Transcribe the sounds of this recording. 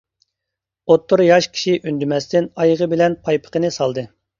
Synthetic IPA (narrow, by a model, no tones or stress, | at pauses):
ot̪ʰːʊɾjɑʃkʲʰi̥ʃiʔynd̪ymɛst̪ɪnɑjəʁəbɪlɛnpʰɑjpʰə̥qənɨsɑlˠd̪ɨ